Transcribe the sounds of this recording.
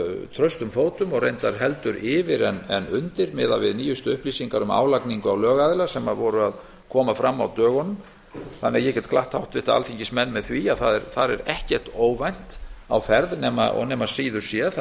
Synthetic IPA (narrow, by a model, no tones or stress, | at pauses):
t̪ʰɾœɥst̪ʏmfoːwt̪ʏmɔɣrejnt̪aɾ̥ɦɛlt̪ʏɾɪːvɪɾɛnɛnʏnt̪ɪɾmɪːðavɪðniːjʏst̪ʏʏhpliːsiŋkaɾʏma̰ːwlakniŋkʏawlœːɣaðɪlasɛmaðvɔɾʏað | kʰɔːmafɾamːawt̪œːɣɔnʏm | θanːɛjɛcɛt̪kʰlaht̪hawht̪vɪht̪aa̰lfiɲcɪsmɛnːmɛðθviaðθaðɛɾθaɾɛɾɛhcɛr̥t̪oːwvajn̥t̪a̰wfɛɾðnɛːma̰ɔ̰nɛːmaðsiːðʏɾ̥sjɛθ